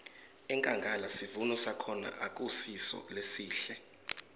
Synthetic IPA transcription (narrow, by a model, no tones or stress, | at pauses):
ɛŋkʼaŋɡʱalasivunɔsakʰɔna̰ʔak̬ʼusisɔ̰lesiːɬɛ